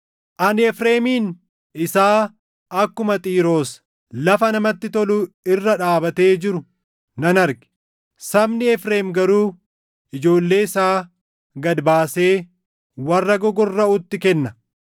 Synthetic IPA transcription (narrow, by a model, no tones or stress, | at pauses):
ʔɐnɛfɾeːmiːn | ɪsaː | ɐkːʊmɐt̪ʼiːɾo̞ːs | lɐfɐnɐmɐt̪ːɪt̪ɔlʊ | ɪrːɐᶑaːbɐt̪e̞ːd͡ʒɪɾʊ | nɐnɐɾɡɪ̥ | sɐbnɪɛfɾe̞ːmɡɐɾuː | ɪd͡ʒo̞ːlːe̞ːɪsaː | ɡɐd̪baːse̞ː | wɐrːɐɡɔɡɔrːɐʊt̪ːɪkɛnːɐ